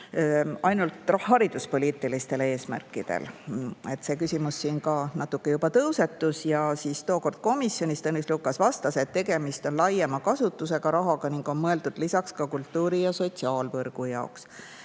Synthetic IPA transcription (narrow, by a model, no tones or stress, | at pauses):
ɑjnult̪ˑrɑɦɑɾid̪̥uspo̞lʲiːt̪ˑːilist̪e̞le̞ːsmæ̰rkːˑid̪̥e̞̰le̞t̪ːse̞ːkysʲimusːiːnkɑːnɑt̪ːˑukːe̞jubɑt̪ɤwse̞t̪ːˑusjɑsist̪o̞ːko̞rd̪̥̚ko̞misːjo̞nʲist̪ɤnislukːˑɑsvɑst̪ɑse̞t̪ːe̞ɡe̞mist̪o̞nlɑjemɑkɑsut̪ːˑuse̞ɡ̥ɑɾɑɦɑɡ̥ɑniŋɡ̥o̞nmɤe̞ld̪̥ud̪̥lisɑkskɑkult̪ːuːɾijɑso̞t̪ʲsiɑːlvɤrɡ̥ujɑoks